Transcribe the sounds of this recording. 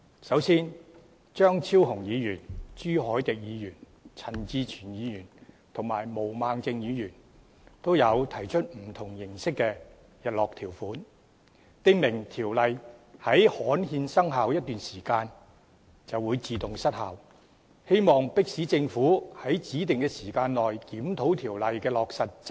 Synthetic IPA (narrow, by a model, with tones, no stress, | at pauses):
sɐ˨˥wsiː˥n | t͡ʃœː˥ŋt͡sʰiː˥wɦʊ˨˩ŋjiː˨˧jyː˨˩nt͡ʃyː˥hɔː˨˥jt̪ɪ˨k̚jiː˨˧jyː˨˩n | t͡sʰɐ˨˩nt͡siː˧t͡ʃʰyː˨˩njiː˨˧jyː˨˩n | t̪ʰʊ˨˩ŋma̰ː˨˩jmo˨˩wmaː˨ŋt͡sɪ˧ŋjiː˨˧jyː˨˩n | t̪o˥wjɐ˨˧wt̪ʰɐ˨˩jt͡ʃʰɵ˥t̚m̩˨˩t̪ʰʊ˨˩ŋjɪ˨˩ŋsɪ˥kːɛ˧ | jɐ˨t̚lɔː˨k̚t̪ʰiː˨˩wfuː˨˥n | t̪ɪ˥ŋmɪ˨˩ŋt̪ʰiː˨˩wlɐ˨jhɐ˨˥jhɔː˨˥nhiː˧nsɐ˥ŋɦa˨wjɐ˥t̚t̪yː˨nsiː˨˩kaː˧n | t͡sɐ˨wːuː˨˧jt͡siː˨˧t̪ʊ˨ŋsɐ˥t̚hɐ˨w | he˥jmɔː˨ŋpɪ˥k̚siː˨˥t͡sɪ˧ŋfuː˨˥hɐ˨˥jt͡siː˨˥t̪̬ɪ˨ŋkɛː˧siː˨˩kaː˧nlɔː˨jkiː˨˥mt̪ʰo˨˥wt̪ʰiː˨˩wlɐ˨jkɛː˧lɔː˨k̚sɐ˨t̚t͡s